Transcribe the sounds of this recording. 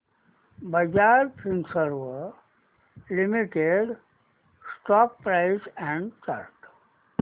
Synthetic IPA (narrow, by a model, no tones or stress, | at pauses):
bəd͡ʒaɾpʰɾĩnsəɾʋə | limiʈeɖ | sʈɔk̚pɾaɪsɛ̃ɳɖt͡ʃa̰ɾʈ